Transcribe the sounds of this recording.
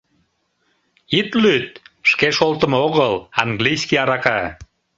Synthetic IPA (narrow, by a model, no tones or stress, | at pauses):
it̪lyt̪̚ʃkeʃolt̪ə̆moɣəlɑŋɡlijskiɑɾɑkɑ